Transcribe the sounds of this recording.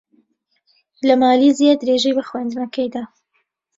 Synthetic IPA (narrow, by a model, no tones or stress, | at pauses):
ləmɑːlizejad̪ɾeːʒejbɐxwand̪nakɐjd̪a